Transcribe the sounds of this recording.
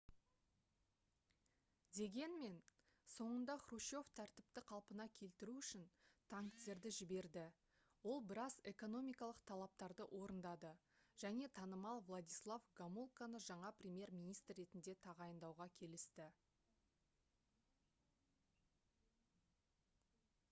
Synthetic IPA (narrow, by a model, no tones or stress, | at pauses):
d̪e̞ɡʲe̞nme̞n | so̞ɴənd̪ɑχruʃo̞ft̪ʰæɾt̪ɪp̚t̪ɪqʰɑlˠpənɑkʲʰe̞lt̪ɪɾuʏʃɪnt̪ʰɑŋkt̪e̞ɾd̪ɪʒɪbe̞ɾd̪ɪ | wo̞lˠbɪɾɑze̞ko̞no̞mʲijkɑlˠəq̚t̪ʰɑlˠɑp̚t̪ɑɾd̪əʔo̞ɾənd̪ɑd̪əʒ̥æne̞t̪ʰɑnəmɑlˠvlˠad̪ijslˠavɡamulˠkanəʒɑɴɑprʲemʲje̞ɾmʲijnijst̪rːe̞t̪ɪnd̪e̞t̪ʰɑʁɑjənd̪ɑwʁɑkʲʰe̞lɪst̪ɪ